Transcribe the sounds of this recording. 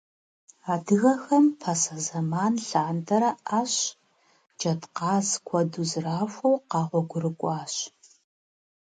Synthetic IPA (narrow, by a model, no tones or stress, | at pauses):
aːdɨɣɐxɐmpʰɐsɐzɐmaːnɬaːndʰɐɾɐʔaːɕ | d͡ʒɐtqɑːzkʷʰɔduzɨraːfʷɐwqɑːʁʷɔɡʷʊrɨkʷʼɑːɕ